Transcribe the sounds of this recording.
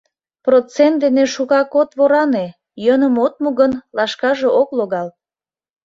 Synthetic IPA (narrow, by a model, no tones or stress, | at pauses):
prot͡sent̪̚d̪eneʃuɣɑkot̪βoɾɑne | jənəmot̪̚muɣənlɑʃkɑʒeʔokloɣɑl